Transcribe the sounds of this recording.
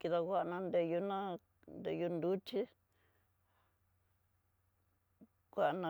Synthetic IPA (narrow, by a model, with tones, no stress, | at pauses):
ki˧ða˧kʷa˦ʔnã˧nd̪e˧ju˧nã˦ | nd̪e˧ju˧nd̪u˦t͡ʃi˦ | kʷa˧˨˧nã˧